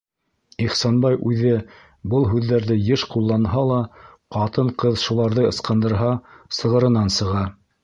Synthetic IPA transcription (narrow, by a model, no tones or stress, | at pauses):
iχsɑnbɑjʔʉðɘ | bɤlˠɦʉðːæɾðɘjɤʃqulˠːɑnɦɑlˠɑ | qɑt̪ɤɴqɤðʃulˠɑɾðɤɤ̆sqɤ̆nd̪ɤ̆ɾɦɑsɤ̆ʁɤ̆ɾɤ̆nɑnsɤ̆ʁɑ